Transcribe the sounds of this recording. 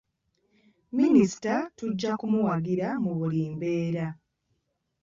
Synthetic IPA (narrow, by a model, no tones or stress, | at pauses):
minisi̥tatuɟːakumuwaɡiɾamuβuliːmbeːɾa